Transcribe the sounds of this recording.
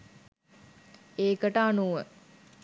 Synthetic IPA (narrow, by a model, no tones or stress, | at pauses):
eːkəʈəanuʋə